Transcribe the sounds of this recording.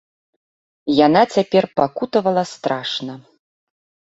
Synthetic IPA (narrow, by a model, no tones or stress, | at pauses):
janat͡sʲapʲɛrpakut̪ɐvɐlˠɐst̪ɾaʂnɐ